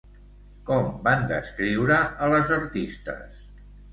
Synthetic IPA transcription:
kɔmband̪ə̰skɾiwɾəələzəɾt̪ist̪ə̰s

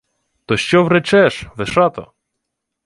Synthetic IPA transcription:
t̪ɔʃt͡ʃɔʋɾɛt͡ʃɛʃʋɪʃɑt̪ɔ̰

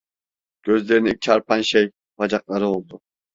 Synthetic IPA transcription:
kʲʰøzleɾnɪt͡ʃʰɑɾpʰɑnʃej | vɑd͡ʒɑqlˠɑɾɪbolˠd̪ʊ

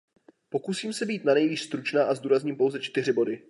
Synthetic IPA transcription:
po̞kusiːmsɛbiːt̪nanɛjviːʃst̪ɾut͡ʃnaːʔazduːɾazɲiːmpo̞wzɛt͡ʃt̪ɪr̝ɪbo̞dɪ

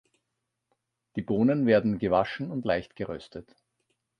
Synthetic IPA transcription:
d̥iːboːnənveːɐdn̩ɡəvaʃn̩ʊntlaɪçtɡ̥əʁœstʰət

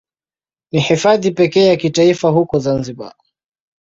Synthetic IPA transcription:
niħifaðipɛkɛːjakitaifaɦukɔzanziɓa̰

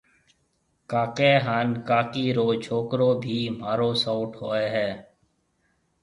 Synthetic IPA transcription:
kaːkeːɦaːnkaːkiːɾoːt͡ʃʰoːkɾoːbʱiːmaːɾoːsaʊʈɦoːeːɦɛː

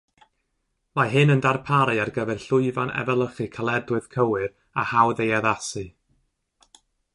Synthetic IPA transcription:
majɦɨnəndarpʰaɾiarɡəvɛrɬʊɨvanʔɛ̰vɛlˠəχɨkʰalˠɛdwɨð̥kʰəwɨr | ahawðejaðasɨ

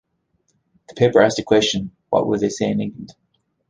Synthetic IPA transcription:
ðə̥pʰeɪpə˞asəkʰw̥ɛst͡ʃə̃nwɒ̰ʔwəðeɪseɪɪ̃nɪ̃ŋɡlə̃nd̥

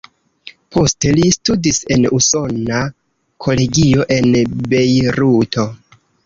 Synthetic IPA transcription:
pʰo̞ste̞listudise̞nuso̞na | kʰo̞le̞ɡio̞ʔe̞nbe̞jɾutʰo̞

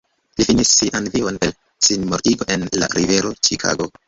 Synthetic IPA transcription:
lifinisːiʔanvio̞nel | sinmoɾtiɡoʔe̞nla̰ɾʔive̞ɾo̞t͡ʃikʰa̰ɡo̞

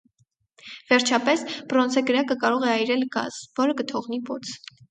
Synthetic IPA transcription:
vɛɾt͡ʃʰɑpɛsbɾɔnt͡sʰɛɡəɾɑkəkɑɾɔʁɛɑjɾɛlɡɑ̰zvɔɾəkət̪ʰɔʁnipɔt͡sʰ

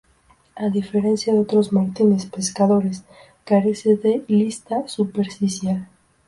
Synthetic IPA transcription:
aðife̞ɾe̞nsjaðeo̞t̪ɾo̞zmaɾt̪inespe̞skaðo̞ɾe̞s | kaɾe̞seðe̞list̪asupe̞ɾfisjal

